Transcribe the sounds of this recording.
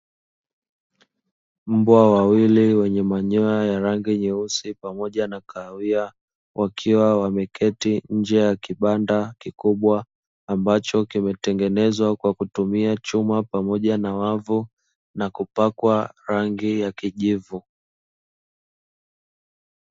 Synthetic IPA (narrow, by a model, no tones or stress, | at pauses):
m̩bwawawiliwɛɲɛmaɲɔajaɾaŋɡiɲɛusipamɔʄanakʰawia | wʔakʰiwawamɛkʰɛtiɲ̩d͡ʒɛjakiɓandakikuɓwaː | mbat͡ʃɔkimɛtɛŋɡɛnɛzwakwakutumiat͡ʃumapamɔʄanawavu | nakupakwaɾaŋɡijakiʄivu